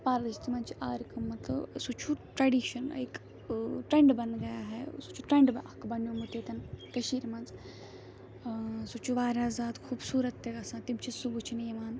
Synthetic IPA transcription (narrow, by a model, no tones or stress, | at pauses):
paːɾd̪it͡ʃt̪imɐnt͡ʃʰiʔaːɾikɐmːɐt̪ɨ̰sut͡ʃʰuʈɾɐɖiːʃɐnɐ̰ik | ʈɾeɳɖbɐnɡɐjaːɦɛsut͡ʃʰuʈɾẽɳɖbɐkbɐnjoːmɐʈet̪ɐnkɐʃiːɾmɐnz | sut͡ʃʰuʋaːɾaːzaːd̪kʰuːbsuːɾɐt̪ːeɡɐsãːt̪imt͡ʃʰisubut͡ʃʰiniimaːn